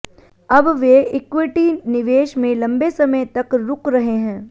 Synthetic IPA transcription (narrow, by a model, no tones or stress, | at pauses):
ɐbʋeɪkʋɪʈinɪʋeːʃmẽlɐ̃mbesɐməjt̪ɐkɾʊkɾɐɦeɦɛ̃ː